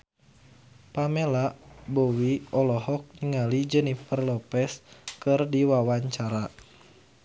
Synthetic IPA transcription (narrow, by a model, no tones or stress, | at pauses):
pamɛlaʔbɔwiɔlɔɦɔk̚ɲŋalid͡ʒənifərlɔpɛskɨrdiwawaɲt͡ʃaɾa